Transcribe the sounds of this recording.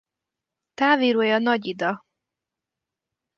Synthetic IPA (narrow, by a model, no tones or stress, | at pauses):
t̪aːviːɾoːjɒnɒɟid̪ɒ